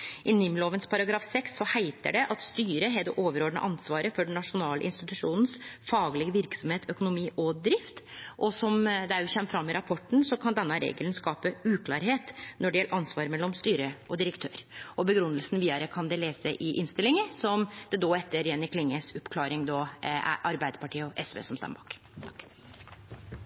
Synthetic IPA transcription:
ʔɪnɪmːloːʋənspʰɑɾɑɡɾɑːfsɛksːɔhæɪt̪ə̰ɖɛʔɑt̪st̪yːɾəɦɛd̪ɛ̰ʔoːʋəɾoːd̪ɳə̰ʔɑnsʋɑːɾəfɔɖɛɳ̩ːɑʂʊnɑːlə̰ʔɪnst̪ɪt̪ʉʂuːnən̩sfɑːɡlɪɡəʋɪɾksɔmheːt̪ʰœkʊnʊmiːʔɔd̪ɾɪft̪ʔɔsɔmd̪ɛæɾjʊçɛmːəfɾɑmːɪɾɑpʰɔʈːɳ̩sɔkʰɑnd̪ɛnːəɾḛːɡələnskɑːpəʉːkʰlɑːɾɦeːt̪nɔɖɛjɛlːəɾʔɑnsʋɑːɾmɛlːɔmst̪yːɾəɔd̪ɪɾəkt̪ʰøːɾɔbəɡɾʉnːəlsn̩ʋiːɑɾəkʰɑnd̪ɛleːsəʔɪʔɪnst̪ɪlːɪŋəsɔmd̪̥ɛd̪oːɛt̪ːəɾjɛnɪkʰlɪŋːəsɔpkʰlɑːɾɪŋd̪ɔ̰ʔɑɾbæɪd̪əɾpɑʈiːəɔʔɛsʋḛːsɔmst̪ɑ̰mbɑ̰ːk̪ʰ

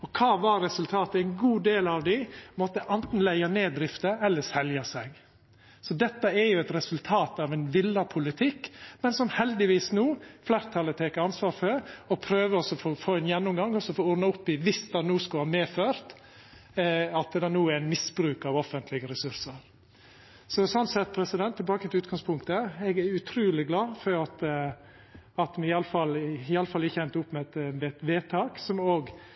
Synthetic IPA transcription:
ɔkʰɑːʋɑɾɛsʉlt̪ʰɑːt̪əɛɪnɡuːd̪eːlɑʋd̪ɪmɔt̪ːəʔɛnt̪n̩læɪɑneːd̪ɾɪft̪əʔɛlːəɾsɛljɑsɛɡ | sɔd̪ɛt̪ːəɛɾjʊɛt̪ɾɛsʉlt̪ʰɑːt̪ɑʋɛnʋɪlːɑpʰʊlɪt̪ʰɪkːmɛnsɔmhɛld̪ɪʋiːsnuːflæːɾt̪ʰɑlːət̪ʰeːkəɑnsʋɑːɾfɔɾɔpʰɾøːʋəɔsɔfoːfoːɛnjɛnːɔmɡɑŋːɔsːɔfouːɾnɑʊpːɪʋɪsd̪ɑnuːskɑlhɑːmeːføːɾt̪ | ɑt̪d̪ɛnuːæɪnmɪsbɾʉːkɑʋɔfənt̪ʰlɪɡəɾɛsʉɾsəɾ | sɔsɔnsɛt̪̚ːpʰɾɛsɪd̪ɛnt̪ʰːɪlbɑːkət̪ɪʉːt̪̚ɡɑŋspʰʊŋkt̪əɛɡæɾʉt̪ʰɾʉːlɪɡlɑːfɔɾɑt̪ | ɑt̪mɛɪɑləfɑlɪɑləfɑlːɪçɛnt̪ʊpːmɛt̪mɛɛt̪ʋeːt̪ʰɑːksɔmoːɡ

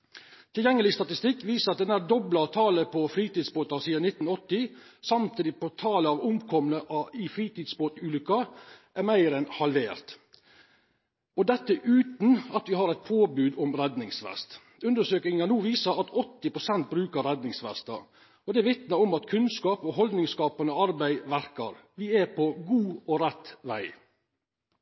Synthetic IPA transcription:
t̪ʰɪljɛŋːəlɪst̪ɑt̪ɪst̪ɪkːʋiːsəɾɑt̪̚d̪ɛnæd̪ɔblɑt̪ʰɑːləpʰɔfɾiːt̪id̪sboːt̪ɑsiːɑnɪt̪ːnɔt̪ːɪsɑmt̪ʰiːd̪ɪpɔt̪ʰɑːləɑːʋʊmkʰɔmənəʔɑɪfɾiːt̪iːd̪sboːt̪ʉːlʏkːɑʔæɾmæɪɾɛnhɑlʋeːɾt̪ | ɔd̪ɛt̪ːəʔʉːt̪n̩ɑt̪ʋɪhɑɾæɪt̪̚pʰoːbʉːd̪ɔmɾɛd̪nɪŋsʋɛ̰st̪ | ʉnd̪əʂøːkɪŋɑnuːʋiːsəɾɑt̪ɔt̪ːɪpɾʊsɛnt̪̚bɾʉːkəɾɛd̪nɪŋsʋɛ̰st̪ɑ̰ | ɔd̪ɛʋɪt̪nəɔmɑt̪kʰʉnskɑːpɔɦɔld̪nɪŋskɑːpɑnəɑɾbæɪʋæɾkəɾʋɪæɾpʰɔɡuːɔɾɛt̪ʋæ̰ɪ

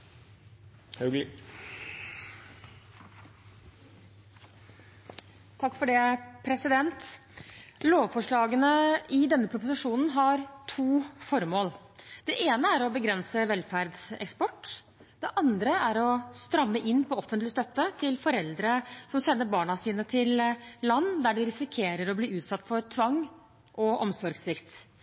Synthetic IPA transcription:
hœɡl | t̪ʰɑkːfɔɖeːpʰɾɛsɪd̪ɛnt̪ | loːʋfɔʂɭɑːɡənəɪd̪ɛnːəpʰɾʊpʊsɪʂuːnn̩ɦɑɾt̪ʰuːfɔɾmoːl | d̪̥ɛʔeːnəæɾɔbəɡɾɛnsəʋɛlfæɾd̪sɛ̰kspɔʈː | d̪̥ɛʔɑnd̪ɾəæɾɔst̪ɾɑmːəʔɪnːpʰɔɔfənt̪lɪst̪œt̪ːət̪ʰɪlfɔɾɛld̪ɾəsɔmsɛnːəɾbɑːɳɑsiːnət̪ʰɪllɑnːd̪æɖɪɾɪsɪkʰeːɾəɾɔbliːʉːt̪sɑt̪ːfɔɾt̪ʰʋɑŋː | ʔɔʔɔmsɔɾɡsʋɪkt̪

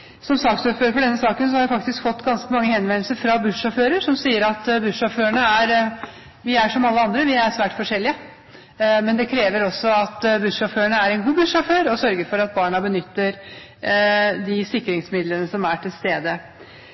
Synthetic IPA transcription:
sɔmsɑkt̪sɔføːɾəfɔɖɛnːəsɑːkəns̬ɔhɑɾjæfɑk̚t̪ɪskfɔt̪ːɡɑnskəmɑŋːəhɛnʋɛnl̩səɾfɾɑbʉʂːɑføːɾəɾʂɔmsiːəɾɑt̪bʉʂːɔføːəɳəæɾ | ʋɪæʂɔmɑlːəɑnd̪ɾəʋɪæɾsʋæːʈfɔʂɛlːɪə | mɛnd̪ɛkʰɾeːʋəɾɔsːɔɑt̪bʉʂɑføːəɳəæɾɛnɡuːbʉʂɑføːɾɔsœɾɡəɾfɔɾɑt̪̚bɑːɳɑbənʏt̪ːəɾ | d̪ɪsɪkːɾɪŋsmɪd̪lənəsɔmæʈʰɪlst̪eːd̪ə

